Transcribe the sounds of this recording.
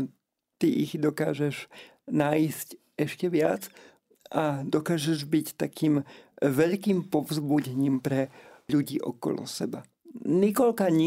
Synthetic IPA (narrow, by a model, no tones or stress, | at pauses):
t̪iʔiɣd̪ɔkaːʒɛʒ | naːisc | ɛʃcɛʋɪat͡s | ʔad̪ɔkaːʒɛʒbict̪akiːmʋɛʎkiːmpɔvzbuɟɛɲiːmpɾɛʎuɟḭːʔɔ̰kɔ̰lɔ̰sɛ̰ba | nikɔʎkaɲi